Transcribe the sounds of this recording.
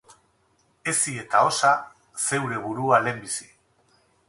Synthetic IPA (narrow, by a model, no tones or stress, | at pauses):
e̞sie̞t̪ao̞sa | se̞wɾe̞β̞uɾuale̞mbisi̥